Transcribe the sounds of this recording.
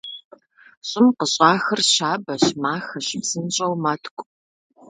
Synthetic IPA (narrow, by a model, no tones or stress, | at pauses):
ɕʼɪmqəɕʼaːxɐrɕaːbɐɕmaːxɐɕɪpz̥ɨnɕʼɐwmɐtʰkʷʼ